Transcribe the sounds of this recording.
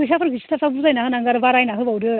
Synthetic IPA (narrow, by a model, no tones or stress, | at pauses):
ɯs̬apʰɯɾɡɯsi̥tʰasabuɾzajnaɦɯnaŋɡaɾɯbaɾajnaɦɯbawɾɯ